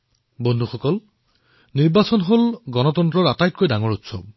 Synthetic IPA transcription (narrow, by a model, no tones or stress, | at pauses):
bɔndʱuxʰɔkɔl | niɹbasɔnɦolɡɔnɔtɔntɹɔɹatajt̚kojdaŋɔɹutsɔ̰b̚